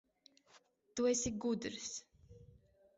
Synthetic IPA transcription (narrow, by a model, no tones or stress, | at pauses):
t̪uɛsʲiɡud̪ɾs